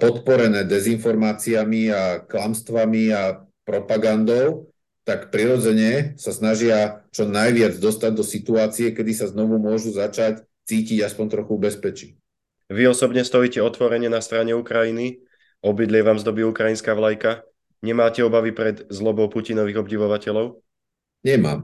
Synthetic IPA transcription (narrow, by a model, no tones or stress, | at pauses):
pɔt̪pɔɾɛnɛːd̪ɛzinfɔɾmaːt͡siamiaklamst̪ʋamia | pɾɔpaɡand̪ɔʊ | t̪akpɾiɾɔd͡zɛɲɛsasnaʒɪat͡ʃɔnajʋɪad͡zd̪ɔst̪aɟ̚d̪ɔsit̪uaːt͡siɛkɛd̪isaznɔʋumʊɔʒuzat͡ʃac | t͡siːciɟaspɔɲt̪ɾɔxubɛspɛt͡ʃi | ʋiɔsɔbɲɛst̪ɔiːcɛɔt̪ʋɔɾɛɲɛnast̪ɾaɲɛukɾajini | ɔbid̪lɪɛʋaːmzd̪ɔbiukɾajinskaːʋlajka | ɲɛmaːcɛɔbaʋipɾɛd̪zlɔbɔʊpucinɔʋiɣɔbɟiʋɔʋacɛlɔʊ | ɲɛma̰ːm